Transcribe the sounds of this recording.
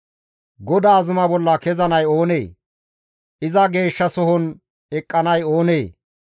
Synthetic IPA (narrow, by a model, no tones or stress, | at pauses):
ɡɔd̪aːzʊmɐbɔlːɐkɛzɐnɐjo̞ːne̞ː | ʔɪzɐɡe̞ːʃːɐsɔɦɔn | ɛkʼːɐnɐjo̞ːneː